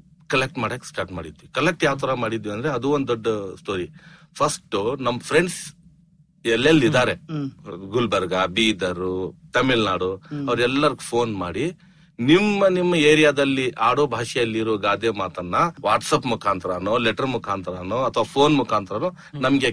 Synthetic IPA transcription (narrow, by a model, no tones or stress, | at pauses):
kɐlek̚ʈmaːɽɐkːsʈaːɾʈmaːɽid̪ʋikɐlek̚ʈjaːʋɐt̪ɐɾɐmaːɽid̪ʋiɐnd̪ɐɾeɐd̪uond̪d̪ɔɖːsʈoːɾi | pʰɐsʈunɐmːɐpʰɾeɳɖs | ɛlːelːid̪aːɾe̞ | ɡulbɐɾɡɐbiːd̪ɐɾut̪ɐmilnaːɽuɐʋɐɾɛlːɐɾuɡupʰo̞ːnmaːɽi | nimːɐnimːɐeːɾijaːd̪ɐlːiʔaːɽoːbʱaːʂɐjɐlːiɾoɡaːd̪jemaːt̪ɐnːɐʋaːʈsɐpmukʰaːnt̪ɾaːnoleʈɐɾmukʰaːnt̪ɾaːnoɐt̪ʰʋaːpʰoːnmukʰaːnt̪ɾɐnu | nɐmɡe